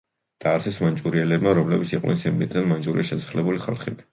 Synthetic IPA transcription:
d̪̥aːɾtsʰɛsmant͡ʃʼuɾiɛlɛbmaɾɔmlɛbit̪siqʼnɛ̰nsɛmmit̪ʼɛnmant͡ʃʼuɾiʃɛsḁχlɛbuliχa̰lˠχḭb̪i

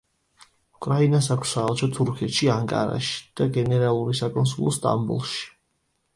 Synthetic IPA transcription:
ukʼɾainasakʰssaːlˠt͡ʃʰɔt̪ʰuɾkʰɛt̪ʃiaŋkʼa̰ɾa̰ʃi̥d̪̥aɡɛnɛɾalˠuɾisakʼɔnsulˠɔst̪ʼa̰mbṵlˠʃi̥

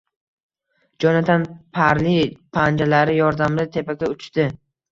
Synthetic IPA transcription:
d͡ʒɒnat̪ʰanpʰaɾlipʰand͡ʒalaɾɪjɒɾd̪amd̪at̪ʰe̞pakʲaʊt͡ʃt̪ɪ

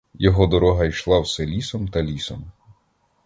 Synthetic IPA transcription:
jɔɦɔd̪ɔɾɔɦɐjʃlˠɑwsɛlʲisɔmt̪ɐlʲisɔm

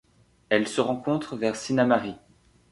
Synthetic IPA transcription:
ɛlsəʁɑ̃kɔ̃t̪χəvɛʁsinamaʁi

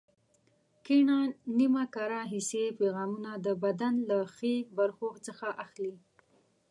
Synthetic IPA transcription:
kiɳanimakaɾɑɦisepeɣɑmunad̪əbad̪anlaxebaɾxoxt͡səxaʔaxli

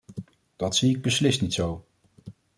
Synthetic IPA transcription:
d̥ɑtsiɪɡ̚bəslɪstnitsow

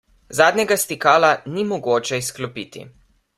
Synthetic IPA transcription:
zaːd̪nʲɛɡast̪ikaːlanimɔɡoːt͡ʃɛisklɔpiːt̪ḭ

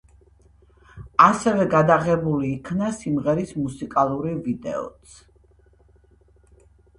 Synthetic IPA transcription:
asɛvɛɡad̪aʁɛbuliːkʰnasimʁɛɾismusikʼalˠuɾivid̪ɛ̰ɔ̰t̪sʰ

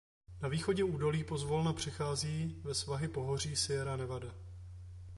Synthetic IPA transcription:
naviːxo̞ɟɛuːdo̞liːpo̞zvolnapr̝̥ɛxaːziːvɛsvaɦɪpo̞ɦo̞r̝iːsɪɛɾanɛvada

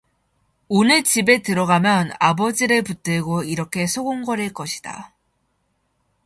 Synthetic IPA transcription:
onɯt͡ɕibe̞tɯɾʌɡamjʌnabʌd͡ʑiɾɯɭput͈ɯɭɡoiɾʌkʰe̞sʰoɡoŋɡʌɾe̞ɭk͈ʌɕʰi̥d̥a̰

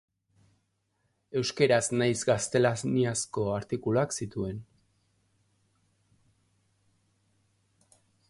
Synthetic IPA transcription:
e̞wske̞ɾaznajzɡast̪e̞lazniasko̞aɾt̪ikuloaksit̪ue̞n

